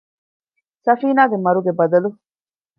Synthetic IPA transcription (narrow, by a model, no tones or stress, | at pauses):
sɐfiːnaːɡemɐɾuɡebɐd̪ɐlu